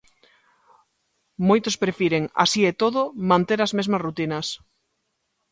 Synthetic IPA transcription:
mojt̪ʊspɾefiɾeŋa̰siet̪oðʊmãnt̪eɾazmezmɐsrut̪inɐs

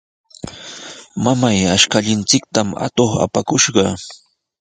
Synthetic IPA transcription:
mamajaʃkaʎɪnt͡sɪk̚t̪ama̰t̪oχa̰pakʊʃɢɑ

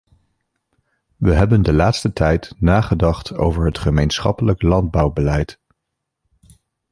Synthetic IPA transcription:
ʋəɦɛbəndəlaːtstətʰɛjtnaːχədɑχtʰo̰wvəɹɦətχəmejnsχɑ̰pələklɑnd̚bɑwbəlɛjt

